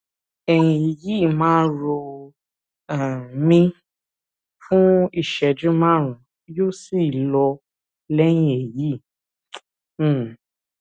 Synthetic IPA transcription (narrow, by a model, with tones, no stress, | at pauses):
ɛ˨jĩ˨ji˦˨mãː˦ɾo˧ | a˨mĩ˦ | fũ˦i˦˨ʃɛ˨d͡ʒũ˦mã˦˨ɾ̃ũ˨ | jo˦si˦˨lɔ˧ | lɛ˦j̃ĩ˦e˨ji˨˦˨